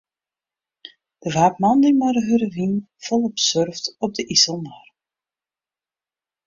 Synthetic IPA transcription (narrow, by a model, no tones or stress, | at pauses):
d̥əvaːpmɑndəmaɾəɦərərin | fɔlˠɔpsørftɔb̚dəʔisəlˠmar